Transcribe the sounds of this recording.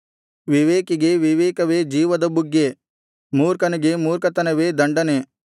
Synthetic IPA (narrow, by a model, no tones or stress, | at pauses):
ʋiʋeːkiɡeʋiʋeːkɐʋeːd͡ʒiːʋɐd̪ɐbuɡːe | muːɾkɐnɐɡemuːɾkɐt̪ɐnɐʋeːd̪ɐɳɖɐne